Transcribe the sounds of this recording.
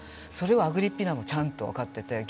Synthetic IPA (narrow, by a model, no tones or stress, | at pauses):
so̞ɾe̞βaaɡɯ̟ɾʲipʲːinamo̞t͡ɕãnt̪o̞βa̰kat̪ːe̞t̪e̞ɡʲ